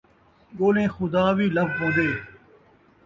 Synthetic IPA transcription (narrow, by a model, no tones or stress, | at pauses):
ɠoːlẽːxʊd̪aːʋiːləbpõːnd̪eː